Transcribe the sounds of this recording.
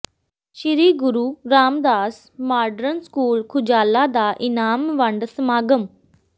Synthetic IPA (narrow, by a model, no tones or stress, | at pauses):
ʃiɾiːɡʊɾuːɾaːmd̪aːs | maːɖɾənskuːlkʰʊd͡ʒaːlaːd̪aːʔɪnaːmʋəɳɖsəmaːɡəm